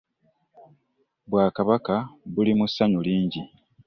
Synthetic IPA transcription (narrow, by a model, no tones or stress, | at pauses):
bwaːkaβakaβulimusːaɲuliːɲɟi